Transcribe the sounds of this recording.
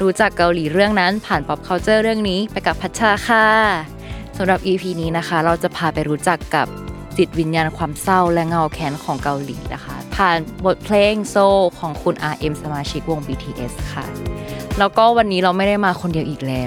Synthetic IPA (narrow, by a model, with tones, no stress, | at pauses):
ɾuː˦˥t͡ɕa˨˩kːa˧wliː˩˦ɾɯ˥˩əŋna˦˥npʰaː˨˩npɔ˦˥p̚kʰa˦˥wt͡ɕɤː˥˩ɾɯ˥˩əŋniː˦˥pa˧jka˨˩pʰːa˦˥t̪̚t͡ɕʰaː˥˩kʰaː˥˩ | sa˩˦mɾa˨˩p̚ʔiː˧pʰiː˧niː˦˥na˦˥xʰa˦˥ɾa˧wt͡ɕa˨˩ʔpʰaː˧pa˧jɾuː˦˥t͡ɕa˨˩kːa˨˩p̚ | t͡ɕi˨˩t̪̚wi˧njaː˧nkʰwaː˧msa˥˩wlɛ˦˥ŋa˥˩wkʰɛː˦˥nkʰɔː˩˦ŋka˧wlḭː˩˦na̰˦˥kʰa̰˦˥pʰaː˨˩nbo˨˩t̪̚pʰleː˧˥˩ŋsoː˧˩kʰɔː˩˦ŋkʰu˧nʔaː˧ʔe˧msa˧maː˧t͡ɕʰi˦˥k̚wo˧ŋbiː˧t̪ʰiː˧ʔe˦˥skʰa̰˥˩lɛː˦˥wkɔː˥˩wa˧nːiː˦˥ɾa˧wma˥˩jda˥˩jmaː˧kʰo˧ndi˧əwʔiː˨˩k̚lɛː˦˥